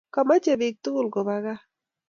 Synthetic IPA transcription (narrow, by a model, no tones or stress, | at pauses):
kamat͡ʃeβik̚t̪ulɡoβaɡa